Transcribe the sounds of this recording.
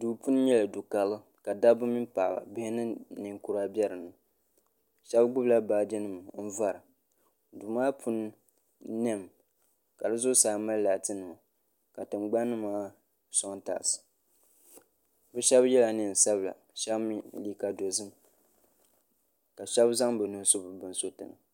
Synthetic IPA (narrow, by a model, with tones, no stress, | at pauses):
du˨pu˦n˦ɲɛ˦la˨du˨ka˨lɨ˦ | ka˨da˦bɨ˦mi˦mpa˨ba̰˨bɪ˦hɪ˦nɨ˦nɨ˨ŋku˦ɾa˦bɛ˦ɾɨ˨nɨ˨ | ʃɛ˦bɡ͡bʊ˦bla˦baː˨dɛ˦nɨ˦˨m˨m̩˦va˦ɾɨ˨ | du˨maː˦pʰu˦nː | ɛ˦˨m˨ | ka˨dɨ˦zʊ˦saː˨ma˦lla˨tɨ˦nɨ˨ma˨ | ka˨tɨ˨mɡ͡ba˦nːɨ˦maː˦ | sɔ˦ŋta̰ː˨sɨ̥˨ | bɛ˦ʃɛ˦bjɛ˦la˨nɨ˨n̩˨sa˦bla̰˨ | ʃɛ˦bmi˦li˦ka˨do˨zɨ˦m˨ | ka˨ʃɛ˦bza˦ŋbɨ˨nɨ˨nsʊ˦bɨ˨bɨ˦n˦so˦tɨ̰˨nɨ̰˨